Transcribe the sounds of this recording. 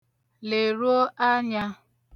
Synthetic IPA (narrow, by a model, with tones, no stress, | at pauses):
le˨ɾu˦o˦ʔa˦ɲa˦